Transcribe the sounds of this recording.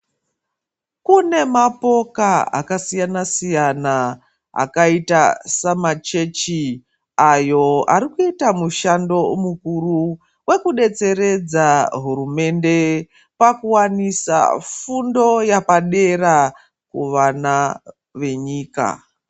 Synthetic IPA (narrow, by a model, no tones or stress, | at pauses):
kune̞mapo̞kaa̰kasijanasijana | a̰kaitasamat͡ʃe̞t͡ʃi | ajo̞aɾikuitamuʃando̞mukuru | we̞kuɗe̞t͡se̞ɾe̞d͡zaɦuɾume̞nde̞ | pakuwanisa̰fundo̞japaɗe̞ra | kuʋana | ʋe̞ɲiːka̰